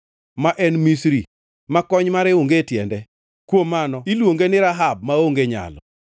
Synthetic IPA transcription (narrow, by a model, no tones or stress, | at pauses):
maʔɛnmisɾi | makɔɲmaɾɛuŋɡetjɛndɛ | kwomanɔilwoŋɡenɪɾaɦab̚maoŋɡeɲa̰lɔ̰